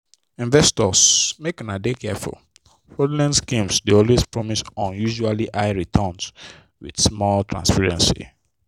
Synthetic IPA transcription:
ĩnvɛstɔsmekɔ̃nadekɛfṵl | fɔdlɛ̃nskĩmsdeɔlwespɹɔmisɔ̃njuʒualiʔaɪɹitʰɔ̃ns | wḭd̥smɔltʰɹã̰nspɛɹɛ̃nsḭ

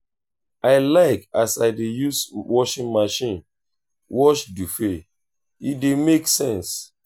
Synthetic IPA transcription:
aɪlaɪkasaɪdejuswɔʃĩnmaʃĩn | wɔʃdufe | idemeksɛ̃ns

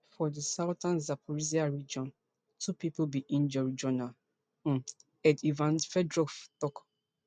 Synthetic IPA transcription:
fɔdisaʊtãnzapʰɔɹiziaɹid͡ʒɔ̃n | tʰupipubiʔĩnd͡ʒɔɹid͡ʒɔnal̩ | ɛdivãnfɛdɹɔftɔk

